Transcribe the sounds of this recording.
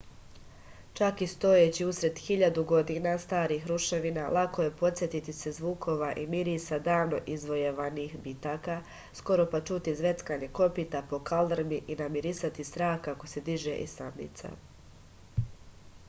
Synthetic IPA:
t͡ʃakist̪o̞jet͡ɕiusɾe̞d̪xiʎad̪uɡo̞d̪inast̪aːɾiːxɾuʃe̞ʋinalakoje̞po̞t̪sʲjet̪it̪ise̞zʋuːkʰo̞ʋaʔimiɾiːsad̪aːʋno̞̰ʔizʋo̞jeʋaniːxbit̪aːka | sko̞ɾo̞pat͡ʃut̪izʋe̞t̪skaɲe̞ko̞pit̪apo̞kald̪ɾmiʔinamiɾisat̪ist̪ɾaːxkako̞se̞d̪iʒeʔissamnḭt̪sa̰

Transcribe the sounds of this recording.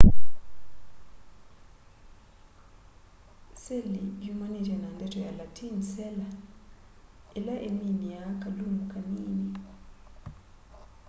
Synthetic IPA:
selijumanitianandɛtʰɔjalatʰinsɛla | ɛlaʔeniniakalumukʰʼaniːni

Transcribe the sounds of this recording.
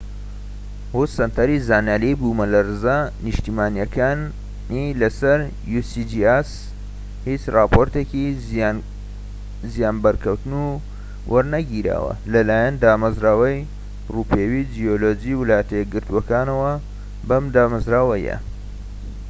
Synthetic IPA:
hut̪sɐnt̪ʰɐɾizaːnjaːlejbumɐlɐɾɨzanɨʃt̪imaːnjɐkaːn | nilɐsɐɾ | jusid͡ʒias | hit͡ʃrɑːpʰoɾt̪eki | zijaːnbɐɾkʰɐwt̪ɨnu | wʔɐɾnɐɡiɾa̰ːwɐ̰lɐlaːjɐnd̪aːmɐzɾaːwɐj | ruːpʰeːwid͡ʒijoloːd͡ʒiwɨlaːjət̪ʰɐjɛɡɨɾt̪uwɐkaːnɐwɐ | bɐmd̪aːmɐzɾaːwɐjɐ̰

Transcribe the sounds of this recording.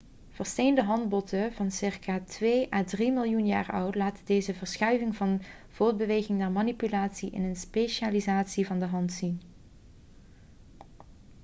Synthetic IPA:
v̥əɹstejndəɦɑnd̚bɔtəvɑnsɪɹkaːtʋeːʔaːdrimɪlˠjunja̰ːɹɔwtlaːtədejzəvəɹsχœɥvɪŋvɑn | v̥ʊːɹd̚bəʋejɣɪŋnaːɹmanipylaːtsiʔɪ̰nənspeʃaːlizaːtsivɑndəɦɑntsin

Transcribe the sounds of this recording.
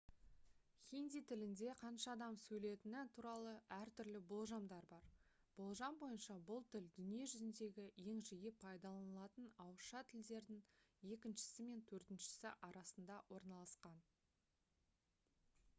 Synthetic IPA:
χʲind̪ijt̪ʰɪlɪnd̪e̞qʰɑnʃɑːd̪ɑmsɵjle̞t̪ɪnɪt̪ʰuɾɑlˠəʔæɾt̪ʏɾlɪbo̞lˠʒɑmd̪ɑɾbɑɾ | b̥olˠʒɑmbo̞jənʃɑbʊlˠt̪ʰɪld̪ʏnije̞ʒʏzɪnd̪e̞ɡʲɪje̞ŋʒɪjɪpʰɑjd̪ɑlˠɑnəlˠɑt̪ənɑwəʃɑt̪ʰɪld̪e̞ɾd̪ɪŋe̞kʲɪnʃɪ̥sɪme̞nt̪ʰɵɾt̪ɪnʃɪ̥sɪʔɑɾɑsənd̪ɑwʔo̞ɾnɑlˠɑsqɑn

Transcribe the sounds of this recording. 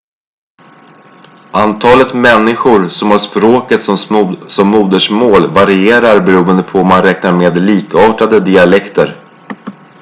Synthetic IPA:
ʔant̪ʰɑːlət̪mɛnːɪɧʊɾsɔmhaʂpɾoːkət̪sɔsɔmːuːd̪əʂmoːlvaɾɪeːɾaɾbɛɾuːənd̪əpʰɔɔmːanɾɛːknaɾmeːd̪liːkɑːʈad̪əd̪ɪalɛkt̪əɾ

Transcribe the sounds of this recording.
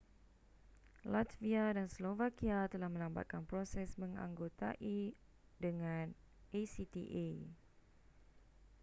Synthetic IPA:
lat̪viadanslovakiat̪əlahmə̃lamba̰t̪̚kanpɾosɛsmə̃ŋã̰ŋɡot̪a̰ʔi | dəŋãn | esit̪ḭʔe

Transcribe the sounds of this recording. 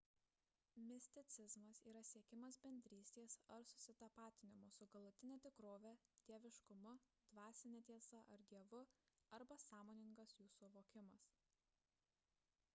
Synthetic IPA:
mʲɪsʲt̪ʲɪt̪sʲɪzmɐsiːɾɐsʲiɛkʲɪmɐsbʲɛnʲd̪ʲɾʲiːsʲt̪ʲeːsɐɾsʊsʲɪt̪ɐpɑːt̪ʲɪnʲɪmʊsʊɡɐlˠʊt̪ʲɪnʲɛːt̪ʲɪkɾoːʋʲɛt̪ʲiɛʋʲɪʃkʊmʊ | d̪̥ʋɑːsʲɪnʲɛt̪ʲiɛsɐʔɐɾd̪ʲiɛʋʊɐɾbɐsɑːmoːnʲɪŋɡɐsjuːsuɐʋoːkʲɪmɐs

